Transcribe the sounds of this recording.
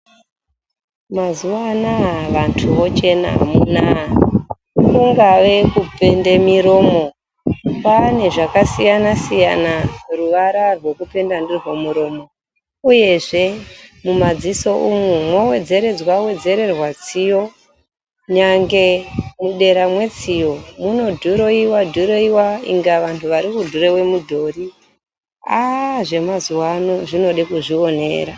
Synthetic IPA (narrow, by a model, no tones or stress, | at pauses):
mazuwanaʋantʰuʋo̞t͡ʃe̞na̰muna | kuŋɡaʋe̞kupendemiɾo̞ːmo̞ | pane̞ʐakasijanasijanaruʋaɾarwe̞kupe̞ndandirwomuɾo̞mo̞ | uje̞ʐe̞mumad͡ziso̞ʔumumwo̞we̞d͡ze̞ɾe̞d͡zwawe̞d͡ze̞ɾe̞rwat͡sijo̞ | ɲaŋɡe̞muɗe̞ɾamwe̞t͡sijo̞muno̞dʱuɾo̞iwadʱuɾo̞iwaḭŋɡaʋantʰuʋaɾikudʱuɾewe̞mudʱo̞ri | aʐe̞mazuwano̞ʐino̞ɗekuʐio̞ne̞̰ːɾa